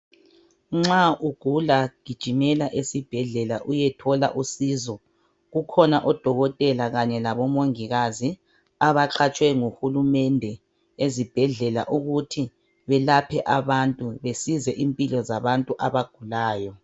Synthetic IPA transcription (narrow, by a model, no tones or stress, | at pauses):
ŋ͡ǁaʔuɡ̥ʱulaɡ̥ʱid̥ʒ̥ʱimɛlaʔesib̥ʱɛɮɛlaʔujɛtʰɔla̰ʔusizɔ | ɣukʰɔnaʔɔd̥ʱɔɣɔtʼɛlaɣaɲɛlaβɔmoŋiɣazi | aβaǁʰat͡ʃʼwɛŋuhulumɛndʱɛ | ezib̥ʱɛɮɛla̰ʔuɣutʰi | βɛlapʰɛʔaβantʼuβesizɛʔimpʼilɔzaβantʼuʔaβaɡ̥ʱulaːjɔ